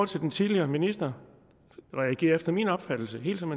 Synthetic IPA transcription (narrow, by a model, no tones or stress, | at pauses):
t͡sʰe̝ld̥ent͡sʰiðˠliɐːminisd̥ɐ | ʁɛæɡ̥e̝̰ːɐefd̥ɐmiːnɒ̽b̥fæd̥l̩səɦe̝̰ːld̥sɒ̽me